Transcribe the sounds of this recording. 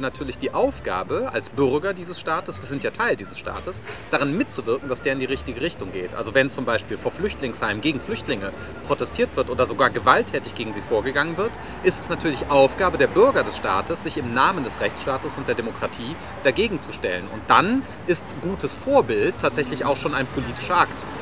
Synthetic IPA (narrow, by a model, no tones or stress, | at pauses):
natʰyːɐlɪçd̥iːʔaʊfɡ̥a̰ːbəa̰lsb̥ʏʁɡɐdiːzəsʃtaːtəsv̥iːɐzɪntjaːtʰaɪldiːzəsʃta̰ːtəsd̥aʁ̞ɪnmɪt̚t͡suvɪɐkŋ̩dasd̥eːɐɪndiːʁ̞ɪçtɪɡəʁɪçtʊŋɡḛːtʔalzovɛnt͡sʊmbaɪʃpiːlfoːɐflʏçtlɪŋshaɪmɡeːɡŋ̩flʏçtlɪŋə | pʁ̥otɛstʰiːɐtv̥ɪɐtʔoːdɐzoɡaːɐɡəvaltʰːɛːtɪçɡ̥eːɡŋ̩ziːfoːɐɡəɡaŋənvɪɐt | ʔɪstɛ̥snatʰyːɐlɪçʔaʊfɡ̥aːbədeːɐbʏɐɡɐdɛsʃta̰ːtəsz̥ɪçɪmnaːməndɛsʁɛçt͡sʃtaːtəsʊntd̥eːɐdemokʁ̥atʰiː | d̥aɡeːɡŋ̩t͡suʃtɛ̰lənʊ̰nt̚d̥an | ʔɪstɡ̥uːtəsfoːɐbɪltʰːaːtz̥ɛçlɪça̰ʊxʃoːnaɪnpʰoliːtɪ̥ʃɐʔakt